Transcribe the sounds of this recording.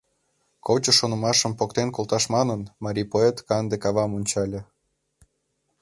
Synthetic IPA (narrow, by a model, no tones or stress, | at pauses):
kot͡ɕə̆ʃonə̆mɑʃəmpokt̪enkolˠt̪ɑʃmɑnənmɑɾʲipoet̪kɑnd̪ekɑβɑmonʲt͡ɕɑlʲĕ